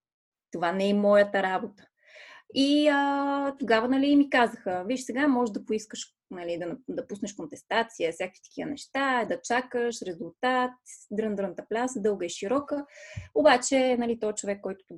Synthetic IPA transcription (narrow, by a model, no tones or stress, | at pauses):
t̪ovanɛmɔjət̪əɾabot̪ə̥ | iət̪oɡavənɐliːmikazəxəviʃsɛɡamɔʒʒd̪ɐpoiskəʃ | nɐlid̪ɐnɐd̪ɐpusnəʃkont̪ɛst̪at̪siəfsʲjakvit̪ə̥k̟iənɛʃt̪ad̪ɐt͡ʃakəʃɾɛzulˠt̪at̪d̪ɾənd̪əɾnət̪əplʲasəd̪ɤlˠɡəiʃiɾɔkəobat͡ʃɛnɐlit̪ɔɛt͡ʃovɛkːɔjt̪ʊ̥t̪